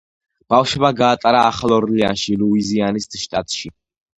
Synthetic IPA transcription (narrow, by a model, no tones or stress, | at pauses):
b̥afʃmaɡaːt̪ʼaɾaːχlˠɔɾlia̰nʃiluizianist̪ʼʃt̪ʼat̪ʼʃi